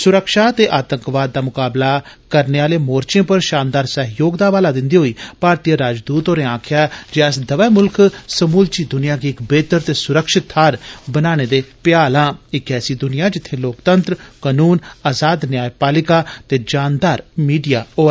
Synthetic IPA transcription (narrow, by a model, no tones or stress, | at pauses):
sʊɾəkʃaːt̪eːʔaːt̪əŋkʋaːd̪̚ːaːmʊkaːblakəɾneːaːleːmoːɾt͡ʃẽːpəɾʃãːnd̪aːɾsəɦjoːɡd̪aːʋaːlaːd̪ɪnd̪iːɦoːiːpaːɾt̪ijəɾaːd͡ʒd̪uːt̪oːɾẽːãːkʰɪjaːd͡ʒeɛsd̪əʋɛːmʊlksəmuːlt͡ʃiːd̪ʊnɪjaːɡiːɪkbeːt̪əɾt̪eːsʊɾəkʃɪt̪ʰːaːɾbənaːñeːd̪eːpɪjaːlãːɪkɛːsiːd̪ʊnɪjãːd͡ʒɪt̪ʰːeːloːkt̪ənt̪ɾkənuːnaːzaːd̪njaːjpaːlɪkaːt̪eːd͡ʒaːnd̪aːɾmiːɖijaːoː